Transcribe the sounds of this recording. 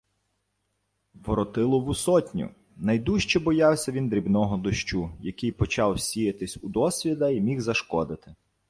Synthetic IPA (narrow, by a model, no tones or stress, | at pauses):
ʋɔɾɔt̪ɪlˠɔwusɔtʲnʲʊ̰ | nɐjd̪uʃt͡ʃɛbɔjɑwsʲɐʋʲind̪ɾʲibnɔɦɔd̪ɔʃt͡ʃujɐkɪjpɔt͡ʃɑwsʲijɐt̪ɪsʲʊd̪ɔsʲʋʲid̪ɐimʲiwzɐʃkɔd̪ɪt̪ɪ